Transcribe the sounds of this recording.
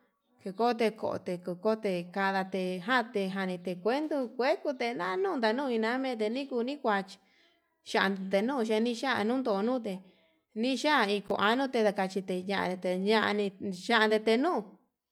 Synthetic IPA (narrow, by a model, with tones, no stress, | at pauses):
ke˧ko˦t̪̬e˧ko̰˨o̰˧˨t̪e˧ko˧˨ko˦t̪e˧˨ka˧ða˧t̪e˧ɦã˦t̪e˧ɦa˧nĩ˧t̪e˧kʷe˦nd̪u˧kʷe˦ku˧t̪e˧nã˦nũː˦nd̪a˧nũ˦˧i˧nã˧˦mẽ˦˧t̪̬e˧nĩ˦ku˧nĩ˦kʷa˧t͡ʃi̥˧ | ʃa˧ʔd̪d̪e˧nũː˦˨˧ʃ̬e˧nĩ˦ʃa˦ʔnũ˦nd̪o˧nũ˦˨t̪̬e˧ | nĩ˦ʃa˦˨˧i˧ko̰˧˨ʔa˧nũ˦t̪e˧ða˧ka˧t͡ʃi˧t̪e˧ɲã˧ʔã̰˧˨e˧t̪e˧ɲã˧ʔa̰˧nĩ˧ʃa˦ʔa˧nd̪e˧t̪e˧nũː˦˨˧